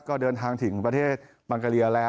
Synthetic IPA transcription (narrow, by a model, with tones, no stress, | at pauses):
kɔː˥˩dɤː˧nt̪ʰaː˧ŋt̪ʰɯ˩˦ŋpɾa˧t̪ʰeː˥˩t̪̚ | ba˧ŋkaː˧li˧ɐlɛː˦˥